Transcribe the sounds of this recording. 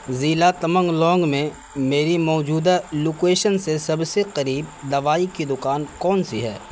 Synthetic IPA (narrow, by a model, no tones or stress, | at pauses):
ziːlat̪ɐmə̃ŋɡlɔ̃ːŋɡmẽ | meːɾimɔːd͡ʒuːd̪aloːkeːʃənsesɐbseqɐɾiːb̚d̪ɐʋaːikid̪ʊkaːnkɔːnsiɦɛ̰ː